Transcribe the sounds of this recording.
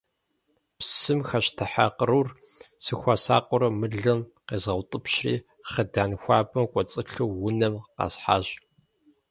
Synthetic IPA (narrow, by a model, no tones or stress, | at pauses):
psɨmxɐɕtʰɐħaqərur | sɨxʷasa̰ːqʷʼʊɾɐmɨɮɨmqeːzɐwtʼɨpɕrḭː | χədaːnxʷɑːbɐmkʷʼɔt͡sʼɨɬɨwːʊnɐmqɑ̰sħa̰ːʑ